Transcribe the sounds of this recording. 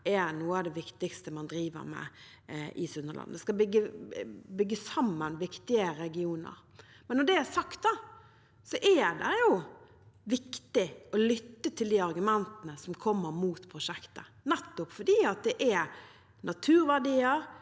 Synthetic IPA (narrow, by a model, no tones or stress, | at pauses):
ɛɾnuːəɑʋd̪ɛʋɪkt̪ɪkst̪əmɑnd̪ɾiːʋə̰ɾmɛ̰ | ʔɪ̰sʉnːəɾlɑ̰nəd̪ɛskɑbʏɡːəbʏɡːəsɑmːənʋɪkt̪ɪəɾɛɡɪuːnə̰ɾ | mɛnːɔɖ̪ɛæsɑkt̪̚d̪ɑ | sɔʔɛd̪ɛjʊ | ʋɪkt̪ɪɔlʏt̪ːət̪ʰɪld̪iːɑɾɡʉmɛnt̪ənəsɔmkʰɔmːəɾmuːt̪pʰɾʊʂɛkt̪ə | nɛt̪ːʊpfɔdiːɑt̪̚d̪ɛʔɛɾ | nʔɑt̪ʰʉːɾʋæʁɖiːəɾ